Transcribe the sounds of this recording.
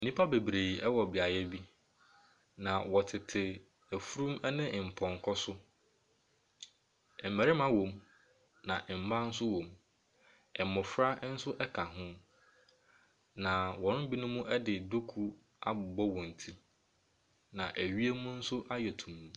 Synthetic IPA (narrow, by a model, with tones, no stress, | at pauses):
nĩ˦pʰa˦be˨bɾe˨ɛ˦wɔ˨bi˨a˨jɛ˦bi˦ | nã˨wɔ˨tʰɪ˨tʰɪ˨ | æ˨fu˦ɾũ˦mɛ˦nɪ̃˦˨m̩˨pʰɔ̃˨ŋ˨kʰɔ˦sʊ˦˨ | m̩˨mæ˨ɾɪ˦mã˦wɔ̃˨m | nã˨ʔm̩˨mã˦n̩˦sʊ˦wɔ̃˨m | ɛ˨mʊ̃˨fɾa˦n̩˦sʊ˦ʔɛ˦kʰa˨ɦʊ̃˦ | nã˨wɔ̃˨nʊ˦bi˦nʊ̃˦mũ˦ʔɛ˦dɪ˨du˦kʰu˦ | a̰˦bʊ˨bɔ˦wɔ̃˨n̩˨tʰi˦ | nã˨ʔæ˨ɥi˦e˦mũ˦n̩˦sʊ˦ʔa˦jɛ˨tʰũ˨m̃ː˨